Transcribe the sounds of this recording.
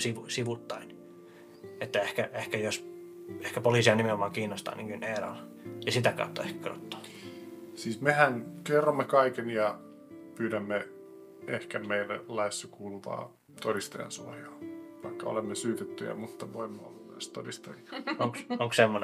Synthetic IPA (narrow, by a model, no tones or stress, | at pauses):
siʋusiʋut̪ːɑin | et̪ːæehkæehkæjos | ehkæpoliːˑsiɑnimeomɑːkiːnːost̪ɑ̰ːniŋkynerɑ̰l | jɑsit̪ækɑ̰ut̪ːɑehkæ̥kro̰t̪ːo̥ː | siːsmehænkerːomːekɑikenjɑ | pyːdæmːe | ehkæmeilːḛllɑisːɑkuːluʋɑ̰ː | t̪odist̪ojɑ̰nsuɑjɑːʋɑ̰ikːɑo̰lemːesyːt̪et̪ːyjɑ̰mut̪ːɑʋoimːɑo̰lːɑest̪o̰dist̪ɑjiɑoŋksoŋkssemːon